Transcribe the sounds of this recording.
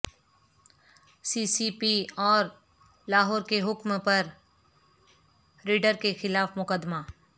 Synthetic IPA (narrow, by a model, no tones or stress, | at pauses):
siːsiːpiɔːɾ | laːɦɔːɾkeɦʊkmpɐɾ | ɾiːɖəɾkexɪlaːfmʊkəd̪maː